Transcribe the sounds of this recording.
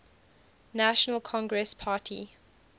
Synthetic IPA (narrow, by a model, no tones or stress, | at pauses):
naʃənəlˠkʰɔ̃ŋɡɹɛspʰaːˑtʰi